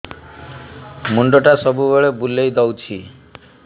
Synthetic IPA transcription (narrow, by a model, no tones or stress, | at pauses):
muɳɖoʈasɔbubeɭebulejd̪ɔwt͡ʃʰi